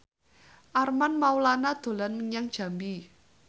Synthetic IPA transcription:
ʔarmanmaulanad̪̥o̤lanməŋaŋd̥ʒ̥a̤mbi

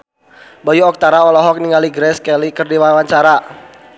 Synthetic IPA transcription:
bɔjuɔk̚t̪aɾaɔlɔɦɔk̚niŋaliɡɾɛskɛlikɨrdiwawaɲt͡ʃaɾa

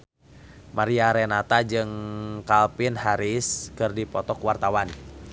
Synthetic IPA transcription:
maɾiaɾɛnat̪ad͡ʒɨŋkalpɪnhaɾiskɨrdipɔt̪ɔkwart̪awan

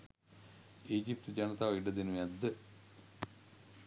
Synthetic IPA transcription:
iːd͡ʑip̚t̪ɨd͡ʑɐnɐt̪aːʋɐiɖɐd̪inumɐd̪ːɨ

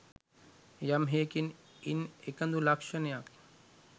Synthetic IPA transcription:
jamɦeːkin | inekɐnd̪ulɐkʃɐnejak

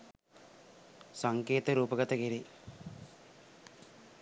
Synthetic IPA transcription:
sɐŋkeːt̪ɐɾuːpɐɡɐt̪ɐkiɾi

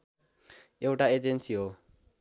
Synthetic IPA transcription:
ewʈaed͡ʒensio

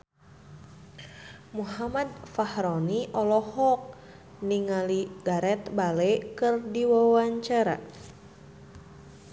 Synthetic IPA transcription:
muhamad̪̚fahɾɔniʔɔlɔhɔk̚ | niŋaliɡaɾɛt̪balekɨrdiwawaɲt͡ʃaɾa̰

